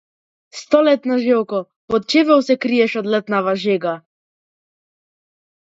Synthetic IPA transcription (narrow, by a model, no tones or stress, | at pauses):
st̪ɔlɛt̪nɔʒɛwkɔ | pɔt̪̚t͡ʃevɛwsɛkɾijɛʃɔd̪lɛt̪navaʒeɡa